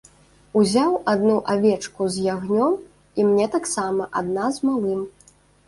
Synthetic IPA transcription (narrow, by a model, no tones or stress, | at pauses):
uzʲawʔad̪nuʔavʲɛt͡ʂkuzʲjaɣnʲɔm | imnʲɛt̪aksamɐʔad̪̚nazmalˠɨm